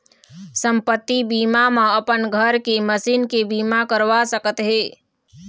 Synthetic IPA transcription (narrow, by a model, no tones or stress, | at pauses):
səmpət̪ːibiːmamãəpənɡʱəɾkeməsiːnkebiːmakəɾʋasəkət̪ɦeː